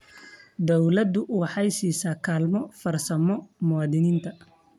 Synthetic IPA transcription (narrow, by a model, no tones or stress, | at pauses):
d̪ɔwlɐd̪ʊwɑħɑjsiːsaːkʰaːlmɔfɐrsɐmɔmʊwɑːd̪ɪniːnt̪ʰɐ